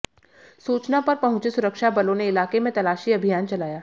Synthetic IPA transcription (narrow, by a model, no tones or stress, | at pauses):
suːt͡ʃnapɐɾpɐɦʊ̃t͡ʃesʊɾəkʃabɐlõneɪlaːkemẽt̪ɐlaːʃiɐbʱijaːnt͡ʃɐlaːjaː